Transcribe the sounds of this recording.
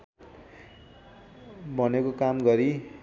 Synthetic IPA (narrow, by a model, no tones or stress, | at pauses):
bʱʌnekokamɡʌɾi